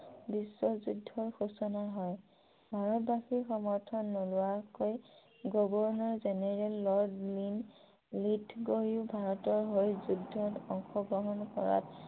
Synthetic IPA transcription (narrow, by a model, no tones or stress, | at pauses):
bisːɔzudʱːɔɹxusɔnaɦɔj | bʱaɹɔtbaxiɹxɔmɔɹtʰɔnːolʊwakoj | ɡɔbɔɹnɔɹzɛnɛɹɛlːɔɹdlin | litʰɡoɹiʊbʱaɹɔtɔɹɦojzudʱːɔtɔŋxɔɡɹɔɦɔnkɔɹa̰t